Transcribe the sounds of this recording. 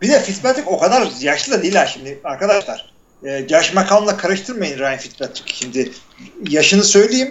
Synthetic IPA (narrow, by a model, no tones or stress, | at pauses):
bid̪ɛfit̪pɛt̪lʲiko̞kad̪aɾjaʃlˠɯd̪ad̪ejilʲæɾʃimd̪ɪaɾkʰad̪aʃlˠaɾ̥ | ɛd͡ʒaʃmakʰaːnˠlˠakʰaɾɯʃt̪ʰɯɾmajɯnɾaːjinfit̪̚pɛt̪lʲikcʃimd̪ɪ | jaʃɯnɯsø̞jlʲejim